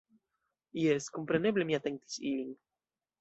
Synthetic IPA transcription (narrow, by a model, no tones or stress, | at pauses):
ieskompɾeneβlemiat̪eŋt̪i̥siliŋ